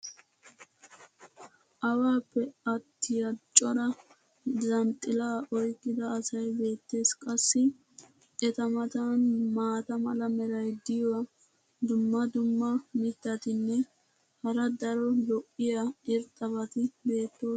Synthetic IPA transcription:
ʔɐwaːpːɛɐt̪ːɪjɐt͡ʃʼːɔɾɐ | zɐnt̪ʼːɪlaːʔɔjkʼːɪd̪ɐːsɐjbe̞ːt̪ːe̞ːskʼɐsːɪ | ʔɛt̪ɐmɐt̪ɐnmaːt̪ɐmɐlɐmɛɾɐjd̪ɪjɔwɐ | d̪ʊmːɐd̪ʊmːɐmɪt̪ːɐt̪ɪnːɛ | hɐɾɐd̪ɐɾɔlɔʔɪjaɪɾt̪ʼːɐbɐt̪ɪbe̞ːt̪ːo̞ː

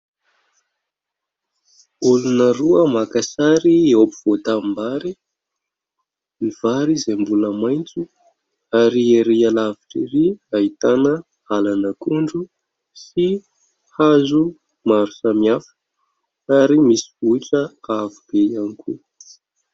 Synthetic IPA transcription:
ulunəɾuəmakasaɾieopiv̥ot̪ambaɾi | miv̥aɾizembuləmajnt͡su | aɾieɾealaviʈ͡ʂiɾiait̪anə | alanəkuɳɖ͡ʐu | si | hazu | maɾusamiafə̥ | aɾimisivuiʈ͡ʂəavib̥ejanikʰṵ

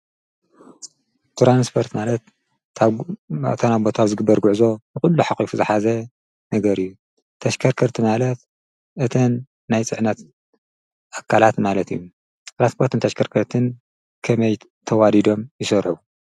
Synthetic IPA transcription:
t̪ɾanspʰo̞ɾt̪malɐt̪ | t̪ʰɐnabo̞t̪ʰaβzɨɡɨbːɐɾɡuʕzo̞bɨxulːuħaxʼifuzɨħazɐ | nɐɡɐɾɨjːu | t̪ʰɐʃkʰɐɾkʰɐɾt̪ʰɨmalɐt̪ | ʔɨt̪ʰɐnː | ajt͡sʼɨʕnɐt̪ | ʔakʰːalat̪malɐt̪ḭjːu | t̪ɾanspʰo̞ɾt̪ʰɨnt̪ʰɐʃkʰɐɾkʰɐɾt̪ʰɨn | kʰɐmɐj | t̪ʰɐwad̪id̪o̞mjɪsɐɾħu

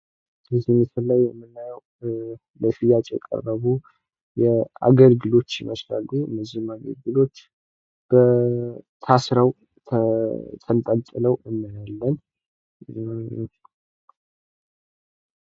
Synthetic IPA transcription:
bəzihməsɨlːajːɛmːɨnːajəw | ləsɨjat͡ʃʼjɛ̰kʼə̰rːəβu | jɛa̰ɡəlɡɨlo̞t͡ʃːjɪməsla̰lːuɨ̰nːəzihmaɡəlɡɨlo̞t͡ʃː | b̥ə | t̪ʰasɾəw | t̪ʰt̪ʰʼənt̪ʼəlt̪ʼɨləwɨnːəjalːən

